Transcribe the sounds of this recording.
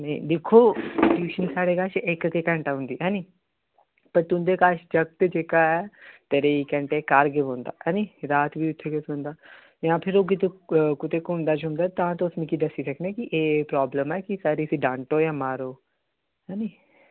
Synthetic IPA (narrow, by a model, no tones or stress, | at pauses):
nə̃ĩːd̪ekʰːoːsɪʈjuːʃənsaːɽeːkaːʃekkeːkɛ̃ːɳʈaːɦʊ̃nd̪iːɦɛ̃ːniː | pəɾt̪ʊ̃nd̪eːkaːʃt͡ʃək̚t̪ed͡ʒeːkaːɛːt̪eɾeːikɛ̃ɳʈeːkaːɾɡ̬ebõːnd̪a̰ːɛ̃ːniːɾaːt̪ʋiːʊt̪ʰːeːkesʊ̃nd̪aː | jãːpʰɪɾoːk̬ɪt̪ekʊt̪eːkɦʊ̃nd̪aːt͡ʃɦʊ̃ːnd̪aːt̪ãːt̪oʊsmĩːkiːd̪əsiːsəkʰneːkiʔeːpɾaːbləmɛːkisaːɾiːəsiːɖãːɳʈoːjãːmaːɾoː | ɦɛ̃ːniː